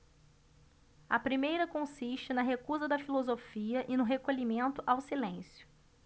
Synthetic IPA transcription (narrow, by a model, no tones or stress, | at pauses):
ɐpɾimejɾɐkõsiʃt͡ʃɪnɐɦekuzɐd̪ɐfilozofiɐʔɪnʊɦekolimẽnt̪ʊʔawsilẽsjʊ̥